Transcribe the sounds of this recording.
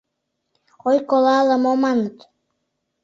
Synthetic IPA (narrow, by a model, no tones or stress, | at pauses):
ojkolɑlə̆momɑnət̪